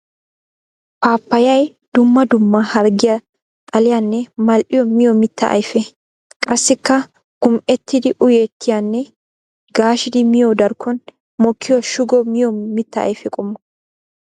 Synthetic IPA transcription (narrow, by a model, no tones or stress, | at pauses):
paːpːɐjɐj | d̪̥ʊmːɐd̪ʊmːɐhɐɾɡɪjɐ | t̪ʼɐlɪjanːɛmɐlʔɪjɔmɪjɔmɪt̪ːɐ̰ʔɐ̰jfɛ | kʼɐsːɪkːɐ | ɡ̥ʊmʔɛt̪ːɪd̪ɪʔʊjet̪ʰːɪjanːɛ | ɡaːʃɪd̪ɪmɪjɔd̪ɐɾkʰːɔn | mɔkʰːɪjɔʃʊɡɔmɪjɔmɪt̪ːɐɐ̰jfɛkʼʊmːɔ